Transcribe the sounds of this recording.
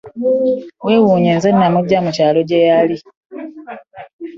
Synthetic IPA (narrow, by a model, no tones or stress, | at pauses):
wewuːɲenzenːamuɟamucaːlo̞ɟejali